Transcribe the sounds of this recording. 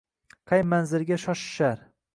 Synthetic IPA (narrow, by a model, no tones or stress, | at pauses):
qʰɑjmanzɪɾɡʲaʃɒʃʃaɾ